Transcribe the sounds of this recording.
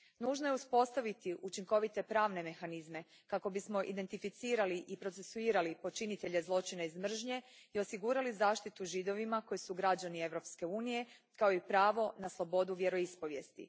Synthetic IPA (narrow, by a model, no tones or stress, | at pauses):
nuːʒnoje̞uspo̞st̪aʋit̪iʔut͡ʃiŋko̞ʋit̪e̞pɾaːʋne̞me̞xanizme̞ | kako̞bismo̞ʔḭd̪e̞nt̪ifit̪siːɾaliʔipɾo̞t̪se̞suiːɾalipo̞t͡ʃinit̪e̞ʎe̞zlˠo̞t͡ʃinaizmr̩ʒɲe̞io̞siɡuːɾalizaːʃt̪it̪uʒid̪o̞ʋimako̞jisuɡɾad͡ʑanie̞ʋɾo̞pske̞uːnije̞ | kaoipɾaːʋo̞naslˠo̞bo̞d̪uʋje̞ɾo̞ispo̞ʋje̞st̪ḭ